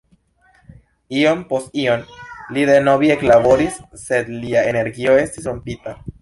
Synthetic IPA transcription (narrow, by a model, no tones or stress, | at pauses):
io̞mpo̞st̚io̞nlidenobieklabo̞ɾisːe̞d̪liae̞ne̞ɾɡio̞e̞stisɾompita